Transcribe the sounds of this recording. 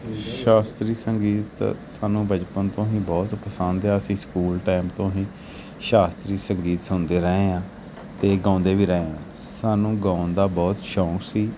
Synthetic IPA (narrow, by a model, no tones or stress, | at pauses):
ʃaːst̪ɾiːsəŋɡiːt̪saːnũːbəd͡ʒpənt̪õːɦĩːbɔːt̪pəsənd̪aːəsĩːskuːlʈaːɪmt̪õːɦĩː | ʃaːst̪ɾiːsəŋɡiːt̪sə̃ːnd̪eːɾəeːãː | t̪eːɡãːnd̪eːʋiːɾəeãː | saːnũːɡãːʊnd̪aːbɔːt̪ʃɔːksiː